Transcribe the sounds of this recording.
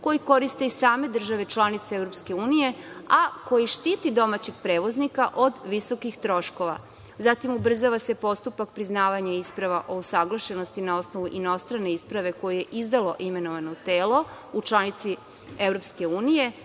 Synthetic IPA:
ko̞jiko̞ɾist̪e̞isaːme̞d̪r̩ʒaʋe̞t͡ʃlˠanit̪seevɾopske̞uːnije̞ako̞jiʃt̪iːt̪id̪o̞mat͡ɕe̞ɡ̚pɾeːʋo̞znikaʔod̪ʋiso̞kixt̪ɾo̞ʃko̞ʋa̰ | zat̪imubr̩zaʋase̞po̞st̪upak̚pɾiznaːʋaɲaispɾaʋaʔo̞usaɡlˠaʃe̞no̞st̪inao̞snoʋuʔino̞st̪ɾane̞ispɾaʋe̞ko̞jije̞ʔizd̪alo̞ʔime̞noʋanot̪eːlo̞ | ut͡ʃlˠanit̪si | evɾo̞pske̞uːnije

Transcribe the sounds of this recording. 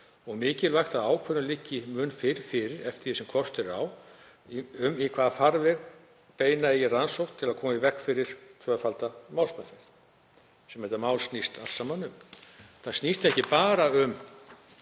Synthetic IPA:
ɔɣmɪːcɪlvajxt̪aðaːwkʰvɛɾʏlɪcːɪmʏnfɪɾ̥fɪɾɪɾɛft̪ɪɾjisɛmkʰɔst̪ɛɾa̰w | ʏmikʰvaːðafaɾvɛɣ | peːjnaɛjɛransowh̪̚t̪ʰːɪlaðkʰɔːmaivɛkfɪɾɪɾ̥t̪ʰvœːfalt̪amaːwlspɛnfɛ̥θ | sɛmhɛt̪amaːwlst̪nist̪a̰lsamanʏmθaðst̪nist̪ɛhcɪpaːɾaʏm

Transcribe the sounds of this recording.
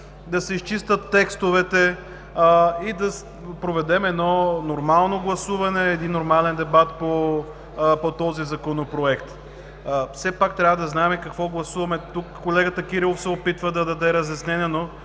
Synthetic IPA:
d̪ɐsɛist͡ʃist̪ət̪ːɛkst̪ovɛt̪ɛ | id̪ɐ | pɾovɛd̪ɛmɛd̪nɔnoɾmalˠnoɡlˠɐsuvɐnɛːd̪inːoɾmalɛnd̪ɛbat̪po | pot̪ɔzizɐkonopɾoɛkt̪ | fsɛpakt̪ɾʲavəd̪ɐznaɛmɛkɐkvɔɡlˠɐsuvɐmɛt̪ukːolɛɡət̪əkiɾilˠofsɛopit̪vəd̪ɐd̪ɐd̪ɛɾɐzjɐsnɛnʲɛno

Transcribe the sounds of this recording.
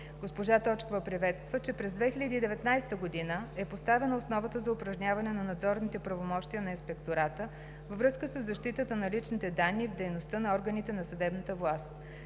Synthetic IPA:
ɡospoʒat̪ɔt͡ʃkovəpɾivɛt̪st̪vət͡ʃɛpɾɛzd̪vɛxilʲəd̪iːd̪ɛvɛt̪najst̪əɡod̪inəɛpost̪avɛnəosnɔvət̪əzɐʊpɾɐʒnʲjavɐnɛnɐnɐd̪zɔɾnit̪ɛpɾɐvomɔʃt̪ijənɐinspɛkt̪oɾat̪ə | vvɾɤskəsəzːɐʃt̪it̪ət̪ənɐlit͡ʃnit̪ɛd̪anːivd̪ɛjnost̪ənɐɔɾɡənit̪ɛnɐsɐd̪ɛbnət̪əvlˠast̪̚

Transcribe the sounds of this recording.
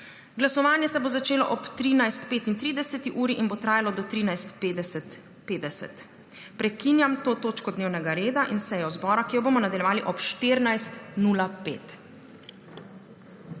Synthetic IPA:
ɡlasɔʋaːnjɛsɛbozat͡ʃeːlɔʔɔpt̪ɾiːnajst̪peːt̪int̪ɾiːd̪ɛsɛt̪iʔuːɾiʔinbot̪ɾaːjalɔd̪ɔt̪ɾiːnajst̪d̪ɛ | peːd̪ɛsɛ̰t̪ | pɾɛkinjamt̪oːt̪oːt͡ʃkɔd̪neːwnɛɡaɾeːd̪aʔinsɛjɔzbɔɾakijɔboːmɔnad̪aljɛʋaːliʔɔpʃt̪eɾnajst̪nulapeːt̪

